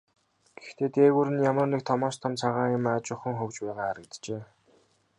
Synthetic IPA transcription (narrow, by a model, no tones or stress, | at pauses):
ɡ̥ext̪eːt̪eːɣuːɾɘ̆njamə̆rnik̚t̪ʰɔmɔːʃt̪ʰɔmt͡sʰaʁaːjʊ̆maːt͡ɕʊχə̆ŋχɵwt͡ɕpæːʁaːaɾə̆kt̪t͡ɕeː